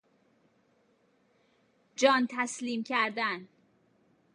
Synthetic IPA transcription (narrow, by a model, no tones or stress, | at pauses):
d͡ʒɒːnt̪ʰæsliːmcʰæɾd̪æn